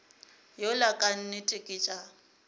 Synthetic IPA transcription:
jolakʼan̩nɪtʼɪkʼɪt͡ʃʼa

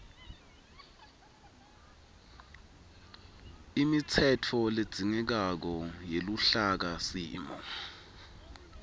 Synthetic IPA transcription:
imit͡sʰɛtʰɔled̥z̥ʱiŋɛk̬ak̬ɔjeluɬak̬asiːmɔ̰

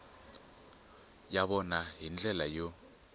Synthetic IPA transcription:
jaβɔnaɦind͡ɮʱɛlajo

